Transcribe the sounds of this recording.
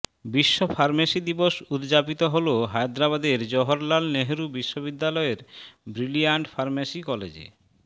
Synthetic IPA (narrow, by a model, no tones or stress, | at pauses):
biʃːofʰaɾmasid̪iboʃud̪d͡ʑapit̪oɦoloɦajd̪ɾaβad̪eɾd͡ʑɔɦoɾlalneɦeɾubiʃːoβid̪ːalɔeɾbɾiliaɳʈfʰaɾmasikɔlḛd͡ʑḛ